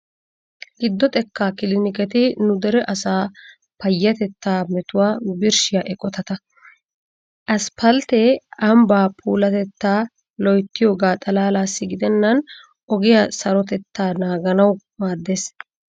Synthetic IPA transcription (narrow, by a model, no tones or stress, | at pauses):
ɡɪd̪ːɔt̪ʼɛkːaːkɪlɪnɪkɛt̪ɪnʊd̪ɛɾɛʔɐsaː | pɐjːɐt̪ɛt̪ːaːmɛt̪ʊwaːbɪɾʃɪjɐʔɛkʼːɔt̪ɐt̪ɐ | ʔɐspɐlt̪ɛɐmbaːpʰuːlɐt̪ɛt̪ːaː | lɔjt̪ːɪjoːɡaːt̪ʼɐlaːlaːsːɪɡɪd̪ɛnːɐn | ʔɔɡɪjɐsɐɾɔt̪ɛt̪ːaːnaːɡɐnɐw | maːd̪ːeːs